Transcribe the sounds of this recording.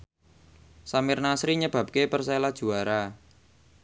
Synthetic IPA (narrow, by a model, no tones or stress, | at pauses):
samɪrnasɾiɲəb̥ä̤p̚kepərselad̥ʒ̥ṳaɾa